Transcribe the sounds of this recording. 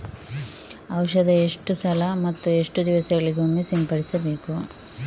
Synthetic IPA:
ɐwʃɐd̪ɐeʂʈusɐlɐmɐt̪ːue̞ʂʈud̪iʋɐsɐɡɐɭiɡomːesimpɐɽisɐbe̞ːku

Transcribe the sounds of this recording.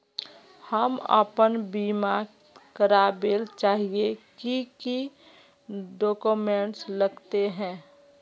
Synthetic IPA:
həmə̰pənbiːma | kəɾabelt͡ʃaːɦiekiki | ɖoːkumẽɳʈsləɡt̪eɦɛ̃ː

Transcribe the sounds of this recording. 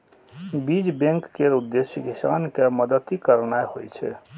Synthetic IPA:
biːd͡ʒbẽŋkːeɾʊd̪ːeʃjəkɪsa̰ːnkeməd̪ət̪ikəɾnaehoit͡ʃʰɛ̰

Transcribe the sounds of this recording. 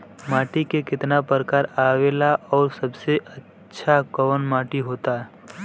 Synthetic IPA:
maːʈikekɪt̪napəɾkaːɾaːʋeːlaʔɔːɾsɐbseʔətːʃʰakəʋənmaːʈiɦoːt̪aɦɛ

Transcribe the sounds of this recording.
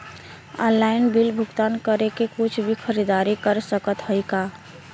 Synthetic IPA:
ɔ̰̃nlaɪnbilbʱʊɡt̪ankəɾekekut͡ʃʰbʱikʰəɾid̪aɾikəɾsəkət̪həjka

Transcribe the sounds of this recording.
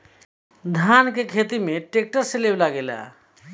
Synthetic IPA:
d̪ʱankekʰet̪imeʈek̚ʈəɾseleblaɡela̰

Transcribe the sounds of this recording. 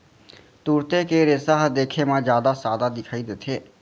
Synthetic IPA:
t̪uːɾt̪ekeɾesaːɦd̪eːkʰemãd͡ʒjaːd̪asaːd̪ad̪ɪkʰaːid̪et̪ʰeː

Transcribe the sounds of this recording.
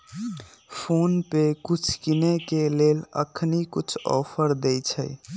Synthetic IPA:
pʰonpekut͡ʃʰkinekelelə̰kʰnikut͡ʃʰɔ̰pʰəɾd̪ɛjt͡ʃʰəj

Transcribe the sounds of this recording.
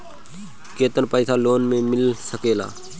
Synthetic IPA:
keːt̪ənpəɪsaːloːnmẽmɪlsəkeːla̰ː

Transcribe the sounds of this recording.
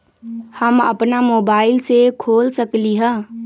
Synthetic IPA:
həmə̰pnamobaɪlsekʰolsəkliɦə̃

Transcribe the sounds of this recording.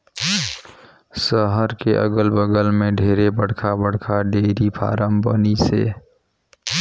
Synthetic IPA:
səɦəɾkeʔə̰ɡəlbəɡəlmẽɖʱeːɾebəɽ̤kʰabəɽ̤kʰaɖeːɾipʰa̰ːɾəmbə̰nisḛː

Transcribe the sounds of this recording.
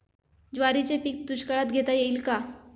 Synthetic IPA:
d͡ʑʋaɾit͡sepik̚d̪uɕkəɭat̪ɡʱet̪ajeilka

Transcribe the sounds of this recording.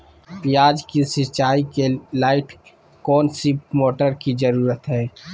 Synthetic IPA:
pijaːd͡ʒkisɪɾt͡ʃaːikelaːɪʈʰ | kɔːnsimoːʈəɾkizɐɾuːɾət̪ɦɛː

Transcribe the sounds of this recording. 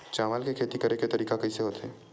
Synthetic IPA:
t͡ʃaːʋaːlkekʰeːt̪ikɐɾeket̪ɐɾiːkakɐiseɦoːt̪ɛː

